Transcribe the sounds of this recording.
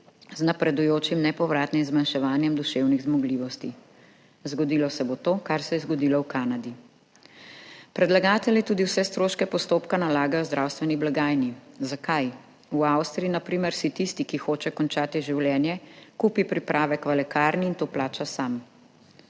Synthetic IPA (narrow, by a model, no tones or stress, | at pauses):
znapɾɛd̪ujoːt͡ʃimnɛpɔʋɾaːt̪nimzmanʃɛʋaːnjɛmd̪uʃewniɣzmɔɡliːʋɔst̪i | zɡɔd̪iːlɔsɛbot̪oːkaɾsɛjɛzɡɔd̪iːlɔwkaːnad̪i | pɾɛd̪laɡaːt̪ɛljit̪uːd̪iwsɛst̪ɾoːʃkɛpɔst̪oːpkanalaːɡajɔzd̪ɾʔawst̪ʋɛniblaɡaːjnizakaj | uawst̪ɾiinapɾiːmɛɾsit̪ist̪ikixoːt͡ʃɛkɔnt͡ʃaːt̪iʒiwljɛːnjɛkuːpipɾipɾʔaːʋɛkʋalɛkaːɾniːnt̪oːplaːt͡ʃasam